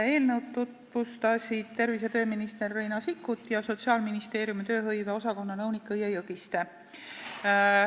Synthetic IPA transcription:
e̞ːlnɤwd̪ut̪vust̪ɑsʲid̪̥̚t̪e̞rvis̬e̞t̪ø̞ːminist̪e̞rːejnɑsikːˑut̪ːˑjɑso̞t̪siɑːlminist̪e̞ːɾjumit̪ø̞ːɦɤjveo̞sɑko̞nːɑnɤwnikːˑɯjejɤɡist̪e

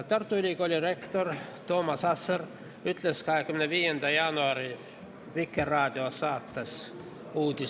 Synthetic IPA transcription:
t̪ɑrt̪ːuilʲikolʲdʲirekt̪ort̪oːmɑsɑsːɑr | yt̪leskɑhekːymneʋiːjend̪æjɑnuɑri | ʋikːerːɑːt̪ʲiosɑːt̪ːɑs | uːt̪i

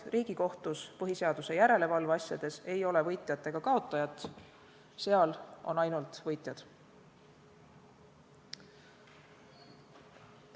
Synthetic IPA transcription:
riːɡ̥iko̞ht̪uspɤɦise̞ɑd̪̥use̞jæɾe̞le̞vɑlvɑsjɑd̪̥e̞se̞jo̞le̞vɤjt̪ˑjɑt̪ˑːe̞ɡ̥ɑkɑo̞t̪ːˑɑjɑt̪ˑ | se̞ɑlʔo̞̰nɑjnult̪vɤjt̪ˑjɑd̪̥

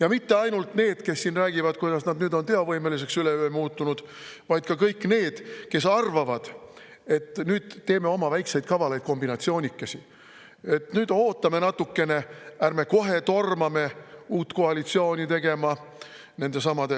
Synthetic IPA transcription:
jɑmit̪ːe̞ɑjnult̪ne̞ːd̪̥ke̞sːinræːɡ̥ivɑd̪̥̚kujd̪̥ɑsnɑd̪nyːd̪o̞nt̪e̞ɑvɤjmelis̬e̞ksyleyemuːt̪ːˑunud̪̥ | vɑjd̪̥̚kɑkɤjkːˑne̞ːd̪̥ke̞sɑrvɑvɑd̪̥ | e̞t̪ːnyːd̪̥t̪e̞ːme̞o̞mɑvæjksejd̪̚kɑvɑlejd̪̥̚ko̞mbinɑt̪sio̞ːnʲikːˑɑsi | e̞t̪nyːd̪̥o̞ːt̪ːˑɑme̞nɑt̪ːˑukːe̞ne̞æɾme̞ko̞ɦe̞t̪o̞rmɑme̞uːt̪ːkoɑlit̪sio̞ːnʲit̪e̞ɡ̥e̞mɑ | ne̞nd̪e̞sɑmɑd̪̥e

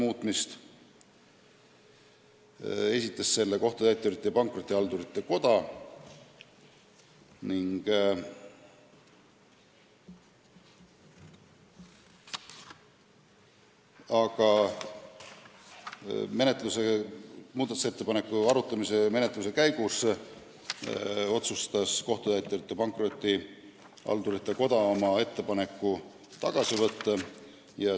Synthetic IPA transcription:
muːt̪ˑmist̪ | e̞sʲit̪ˑːesːe̞lːeko̞ht̪ut̪æjt̪ːˑoɾit̪ːˑejɑpɑŋkˑro̞t̪ːˑiɑld̪uɾit̪ːˑe̞ko̞d̪̥ɑ | niŋɡ̥ | ɑkɑ | me̞net̪ˑluse̞muːd̪ɑt̪u̥set̪ːe̞pɑne̞kːˑuɑɾut̪ːˑɑmise̞me̞ne̞t̪ˑluse̞kæjɡus | o̞t̪sust̪ɑsko̞ht̪ud̪æet̪ːˑeɾt̪ːˑupɑŋkro̞t̪ʲˑːi | ɑ̰lt̪uɾit̪ːˑɑko̞d̪ɑomɑe̞t̪ːepɑne̞kːu | t̪ɑɡ̥ɑsivɤt̪ːɑ | jɑ

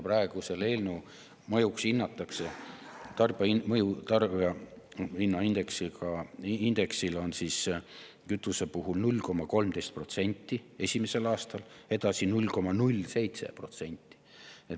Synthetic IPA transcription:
prɑeɡ̥use̞lelnu | mɤjuksinːɑt̪ːˑɑkse̞t̪ɑrb̥imɤjut̪ɑrbɑ | inːɑind̪̥e̞ksikɑind̪̥e̞ksilo̞nsiːs | kyt̪ːˑuse̞puɦulnulʲko̞mːɑko̞lmt̪ejst̪̚pro̞t̪se̞nʲt̪ːˑie̞sʲimese̞lɑːst̪ɑle̞d̪̥ɑsinulʲko̞mɑnulʲse̞jt̪se̞̰pro̞t̪se̞nʲt̪ːˑi̥ | e

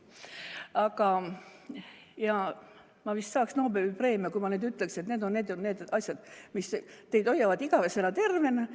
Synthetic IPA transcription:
ɑkɑ | jɑ | mɑvist̪sɑːksno̞ːbelipre̞ːmjɑkujmɑneːd̪yt̪ːˑlekset̪neːd̪o̞nːeːd̪neːd̪̥ɑsʲjɑd̪̥mist̪e̞jd̪o̞jɑvɑd̪iɡ̥ɑvesenɑt̪e̞rve̞n

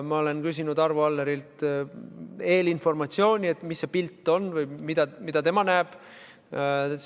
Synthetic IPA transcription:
mɑo̞le̞nkys̬inud̪ɑrvɑlːeɾilt̪ | e̞ːlinfo̞rmɑt̪sio̞ːnʲie̞t̪ːˑmisːe̞pilt̪ːˑo̞nːvɯjmid̪̥ɑmid̪̥ɑt̪e̞mɑnæːb̥

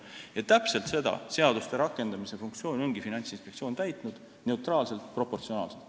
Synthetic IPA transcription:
jɑt̪æpse̞lt̪se̞d̪ɑ̰se̞ɑd̪ust̪eɾɑkːˑe̞nd̪̥ɑmise̞fuŋk̚t̪sio̞ːno̞ŋɡifinɑnʲt̪sinspe̞k̪sio̞ːnt̪æjt̪nud̪̥ | ne̞ut̪rɑːlse̞lt̪pro̞pːo̞rt̪sio̞nɑ̰ːlse̞lt̪

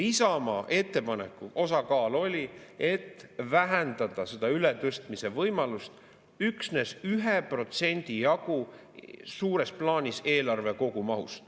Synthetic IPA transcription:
isɑmɑʔe̞t̪ːe̞pɑne̞kːˑuʔo̞sɑkɑːlo̞lʲie̞t̪ːvæɦænd̪ɑd̪̥ɑse̞d̪̥ɑylet̪øst̪mise̞vɤjmɑlust̪ | yksne̞syɦepro̞t̪se̞nʲd̪̥ijɑɡ̥u | suːɾe̞splɑːnʲise̞ːlɑrve̞ko̞ɡ̥umɑɦṵst̪

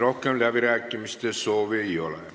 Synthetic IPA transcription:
rohkːenlæpiɾæˑkːimist̪esoʋijolḛ

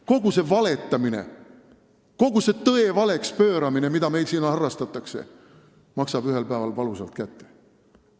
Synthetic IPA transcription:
ko̞ɡuse̞vɑle̞t̪ːˑɑmine̞̰ | ko̞ɡ̥use̞t̪ɤe̞vɑle̞kspø̞ːɾɑmine̞mid̪ɑme̞jlsiːnɑhɑrːɑst̪ɑt̪ːˑɑkse̞̰ | mɑksɑb̥yɦe̞lpæevɑlpɑlusɑlt̪̚kæt̪ːe̞

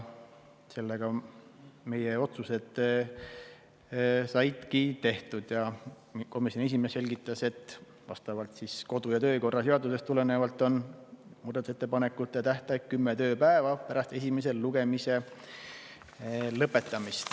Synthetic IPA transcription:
se̞lːeɡ̥ɑ | me̞jeo̞t̪suse̞d̪ | sɑjd̪̥kit̪e̞ht̪ud̪̥jɑ | ko̞misʲːoniesime̞se̞lʲɡit̪ːˑɑse̞t̪ːˑ | vɑ̰st̪ɑvɑlt̪sisko̞d̪ujɑt̪ø̞ːko̞rːɑse̞ɑd̪use̞st̪ule̞nevɑlt̪ːˑo̞nmuːd̪ɑt̪use̞t̪ːe̞pɑne̞kːˑut̪ːˑet̪æht̪ɑjk̪̚kymːet̪ø̞ːpæevɑpæɾɑst̪e̞s̬ʲimes̬e̞llːuɡ̥e̞mise̞ | lɤpːˑe̞t̪ːˑɑmist̪

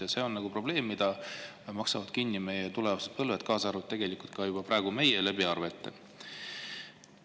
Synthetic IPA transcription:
ɑse̞o̞nnɑɡ̥upro̞b̥le̞ːmːid̪̥ɑ | mɑksɑvɑd̪̥kinːime̞jet̪ulevɑsed̪̥̚pɤlvet̪kɑːsɑrvut̪t̪e̞ɡ̥e̞likult̪̚kɑjub̥ɑprɑeɡ̥ume̞jelæbiɑrve̞t̪ːˑe̞̰

